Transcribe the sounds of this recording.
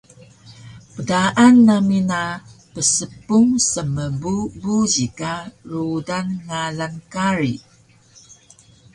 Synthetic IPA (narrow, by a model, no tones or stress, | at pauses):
pədaʔanːaminapəsəpuŋsəməbubuʑikarudanŋalankaɾi